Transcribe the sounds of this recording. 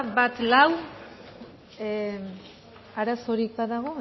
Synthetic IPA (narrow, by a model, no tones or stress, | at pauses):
bat̪law | aɾaso̞ɾik̚baðaɣ̞o̞